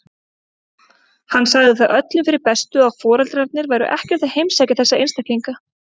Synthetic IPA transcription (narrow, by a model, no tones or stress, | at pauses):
hanːsaɣðɪθaʔœt̪lɪmfɪɾɪɾpɛst̪ʏawfɔːɾalt̪ɾaɾt̪nɪɾvajɾʏ̰ʔɛhcɛɾ̥t̪aðhejmsaːjcaθɛsːaḛjnst̪akijŋka